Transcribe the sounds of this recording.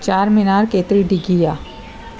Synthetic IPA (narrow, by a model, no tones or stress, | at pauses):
t͡ʃaːɾmɪnaːɾkeːt̪ɾiɖɪɡijaː